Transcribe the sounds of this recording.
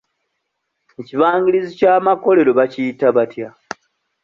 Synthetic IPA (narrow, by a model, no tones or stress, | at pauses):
eciβaːŋɡilizicaːmako̞le̞ɾo̞βacijitaβatja